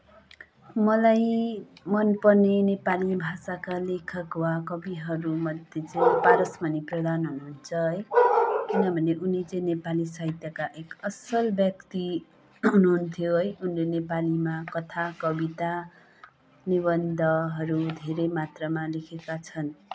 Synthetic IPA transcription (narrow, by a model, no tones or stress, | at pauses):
mʌlajmʌnpʌnenepalibʱasakalekʰʌkwakʌbiɦʌɾumʌd̪ʱjet͡sʌjpaɾʌsmʌniprʌd̪ʱanɦunuɦunt͡sʰʌɦʌjkinʌbʱʌneʔunit͡sʌĩnepalisʌɦit̪jʌkaʔekʌsʌlbjʌkt̪i | ɦunuɦunt̪ʰjoɦʌjunlenepalimakʌt̪ʰakʌbit̪a | niβʌnd̪ʱʌɦʌɾud̪ʱeɾemat̪rʌmalekʰekat͡sʰʌn